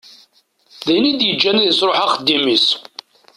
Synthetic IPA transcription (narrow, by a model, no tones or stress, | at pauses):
ðæjnid̪jəd͡ʒːænæðəsɾoħaχəd̪ːimis